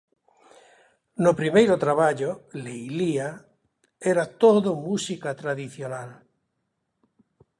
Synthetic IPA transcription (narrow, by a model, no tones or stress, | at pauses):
nopɾimejɾot̪ɾaβaʎolejlia | ɛɾat̪oðomusikat̪ɾaðiθjonal